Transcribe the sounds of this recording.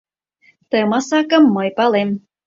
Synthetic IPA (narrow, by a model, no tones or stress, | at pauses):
t̪əmɑsɑkɤ̆mːɤjpɑlem